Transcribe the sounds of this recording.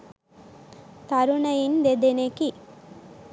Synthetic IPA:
t̪aɾunɐjind̪ed̪eneki

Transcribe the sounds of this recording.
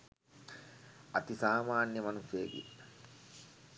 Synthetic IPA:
at̪isaːmaːnjəmanusjeːɡḭ

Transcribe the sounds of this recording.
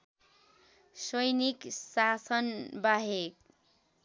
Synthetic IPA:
sʌjniksasʌnbaɦek̚

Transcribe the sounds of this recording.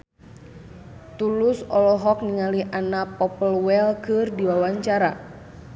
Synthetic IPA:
t̪ulusɔlɔɦɔk̚niŋaliʔanapɔpəlwɛlkɨrdiwawaɲt͡ʃaɾa

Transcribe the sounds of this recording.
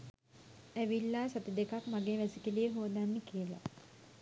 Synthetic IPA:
æʋilːaːsat̪id̪ekakmaɡeːʋæsikilijeɦud̪anːekijəla̰

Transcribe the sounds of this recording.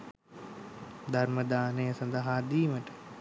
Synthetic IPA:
d̪ʱɐɾməd̪aːneːɐsɐ̃nd̪aɦaːd̪iːmɐʈ

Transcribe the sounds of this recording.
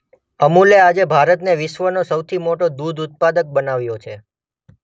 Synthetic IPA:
əmulead͡ʒebʱaɾət̪neʋɪʃʋənosəwt̪ʰimoʈod̪ud̪ʱut̪̚pad̪ək̚bənaʋjot͡ʃʰe

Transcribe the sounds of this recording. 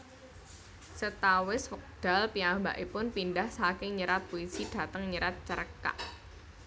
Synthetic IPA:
sət̪awɪswək̚d̥a̤lpiamba̰ʔipʊnpindahsakɪŋɲəɾat̪̚poisid̥a̤t̪əŋɲəɾat̪̚t͡ʃəɾəka̰ʔ

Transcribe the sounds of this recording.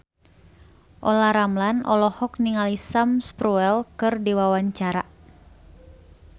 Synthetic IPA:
ʔɔlaɾamlanɔ̰lɔhɔk̚niŋalisamspɾuɛlkɨrdiwawaɲt͡ʃaɾa̰

